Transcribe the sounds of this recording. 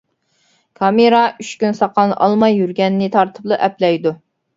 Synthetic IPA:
kʰɑmeɾɑyt͡ʃkʲynsɑqɑnʔɑ̰lˠmɑjːyɾɡʲɛnːɪt̪ʰɑɾt̪ʰɨ̥plˠɨʔɛplɛjd̪u

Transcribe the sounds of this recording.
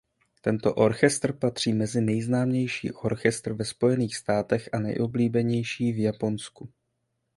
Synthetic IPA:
t̪ɛnt̪o̞ʔo̞ɾxɛst̪rpat̪r̝̥iːmɛzɪnɛjznaːmɲɛjʃḭːʔo̞ɾxɛst̪r̩vɛspo̞jɛniːxst̪aːt̪ɛxʔanɛ̰jʔobliːbɛɲɛjʃiːvjapo̞nsku

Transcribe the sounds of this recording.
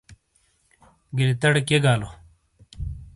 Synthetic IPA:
ɡilit̪ɐɽkeɡaːlo

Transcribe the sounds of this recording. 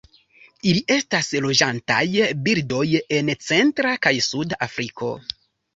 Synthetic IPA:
iliʔe̞staslo̞d͡ʒanta̰jbiɾdo̞je̞nt͡se̞ntɾakajsudaʔafɾikʰo̞̰

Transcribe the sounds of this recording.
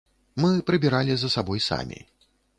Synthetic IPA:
mɨpɾɨbʲɛɾalʲizɐsabɔjsa̰mʲḭ

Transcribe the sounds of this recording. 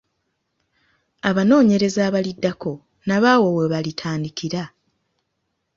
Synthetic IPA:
aβano̞ːɲe̞ɾe̞zaːβalidːako̞ | naβaːwo̞weβalitʰaːndikiɾa

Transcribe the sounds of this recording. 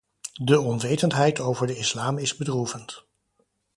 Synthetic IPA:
dəɔnʋejtəntɦɛjtowvəɹdəɪslaːmɪzbədruvənt

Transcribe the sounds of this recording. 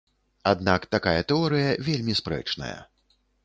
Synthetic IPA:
ad̪nakt̪akajɐt̪ɛɔɾɨjɐvʲelʲmʲispɾɛ̰t͡ʂnɐ̰jɐ̰

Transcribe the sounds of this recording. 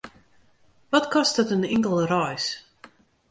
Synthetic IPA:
ʋɔtkɔstətənɪŋkəlˠrɔjs

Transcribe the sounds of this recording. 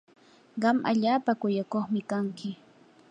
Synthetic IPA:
ɢɑmʔa̰ʎaːpakʊjakoχmɪkaŋkɪ

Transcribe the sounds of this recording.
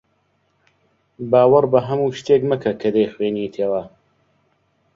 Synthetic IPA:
baːwɐrbɐɦɐmuːʃt̪eːkmɐkʰɐkʰɐd̪ejxweːnit̪ʰeːwɐ

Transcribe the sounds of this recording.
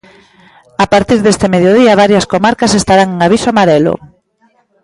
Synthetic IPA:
apaɾt̪iɾðest̪emeðjoð̞iɐβaɾjɐskomaɾkɐsest̪aɾaŋeŋaβisoamaɾelo̰

